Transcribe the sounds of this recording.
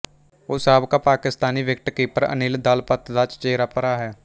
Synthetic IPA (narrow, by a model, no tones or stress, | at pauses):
oːsaːbkaːpaːkɪst̪aːniːʋɪk̚ʈ̪kiːpəɾə̰nɪld̪aːlpət̪d̪aːt͡ʃt͡ʃeːɾaːpəɾaːɦɛː